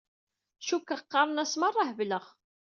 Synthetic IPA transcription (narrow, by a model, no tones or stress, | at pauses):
ʃukːəqːɑɾˤnæsmərˤːɑhvləʁ